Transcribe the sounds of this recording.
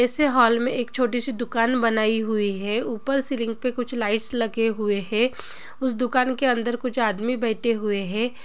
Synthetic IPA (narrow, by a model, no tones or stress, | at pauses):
ɛːseɦɔːlmẽʔeːkt͡ʃʰoːʈ̬isid̪ʊkaːnbɐnaːiɦʊiɦɛːuːpəɾsɪlɪ̃ŋɡ̚pekʊt͡ʃʰlaːɪʈslɐɡeɦʊeɦɛ̃ː | ʊsd̪ʊkaːnkeɐ̃nd̪əɾkʊt͡ʃʰaːd̪mibɛːʈʰeɦʊeɦɛ̃ː